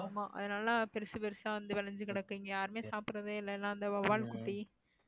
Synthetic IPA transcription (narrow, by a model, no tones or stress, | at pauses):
maːʔɐ̰ðɐnaːlɐpɛɾɯsɯpɛɾɯsãːʋɐnd̪ɯʋɛlɐɲd͡ʒɯkɪɽɐkːiːŋɡɐjaːɾɯmeːsaːpɯɾɐðɯɪlːɐɛlːãːɐnd̪ɐʋɐʋaːlkʊʈːi